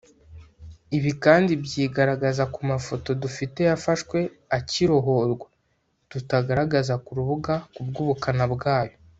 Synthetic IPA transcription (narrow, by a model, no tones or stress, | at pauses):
iβikaːndibɟiːɡaɾaɡazakumafo̞to̞dufite̞jafaʃkwe̞ | aciɾo̞ɦo̞ɾɡwa | tutaɡaɾaɡazakuɾuβuɡakubɡuːβukanabɡaːjo